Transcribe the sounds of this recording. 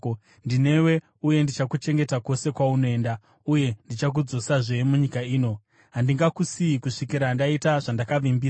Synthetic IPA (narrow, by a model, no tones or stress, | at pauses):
ndine̞we̞ | uje̞ndit͡ʃakut͡ʃe̞ŋɡe̞tako̞se̞kwaunoe̞nda | uje̞ndit͡ʃak̬ud͡zo̞saʐe̞muɲikaiːno̞ | ɦandiŋɡakusiikuʂikiɾandaitaʐandakaʋimbiː